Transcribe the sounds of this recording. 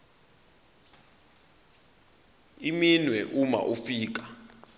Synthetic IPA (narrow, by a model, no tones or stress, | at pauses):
iminwɛʔuma̰ʔufiːk̬ḁ